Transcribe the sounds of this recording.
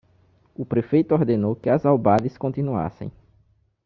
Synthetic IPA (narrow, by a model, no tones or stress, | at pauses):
ʊpɾefejt̪ʊɔɾd̪enowkɪɐzawbad̪ɪskõnt̪inua̰sḛ̃j̃